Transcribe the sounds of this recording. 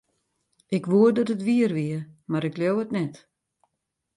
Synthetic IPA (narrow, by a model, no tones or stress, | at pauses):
ɪkʋuədɔtətʋiərʋiəmaɾɪkljowətnɛt